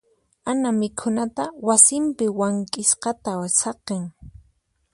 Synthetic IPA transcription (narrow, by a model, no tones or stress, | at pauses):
anamɪkʰʊnat̪awasɪmpɪwaŋkʼɪsqɑt̪asɑqeŋ